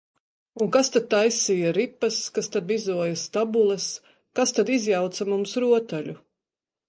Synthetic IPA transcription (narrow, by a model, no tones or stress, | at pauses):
uŋkast̪ad̪̚t̪ajsijaɾipːɐskast̪ad̪vizuɔjast̪abulˠɛs | kast̪ad̪izjawt̪samumsɾuɔt̪aʎʲu